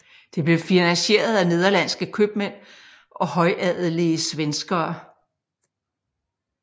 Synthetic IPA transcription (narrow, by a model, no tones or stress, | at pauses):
d̥e̝b̥le̝finænɕe̝̰ːɐð̞ˠæne̝ð̞ˠɐlæn̰sɡ̥əkʰøb̥men̰ | ʔɒ̽hɒ̽ɪʔæð̰̩ˠliəsʋensɡ̥ɐː